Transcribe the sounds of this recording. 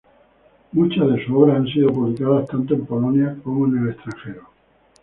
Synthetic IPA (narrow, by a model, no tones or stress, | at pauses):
mut͡ʃazðe̞suoβɾaans̬iðopuβlikaðast̪ant̪oe̞mpolonjako̞moene̞lest̪ɾãŋxe̞ɾo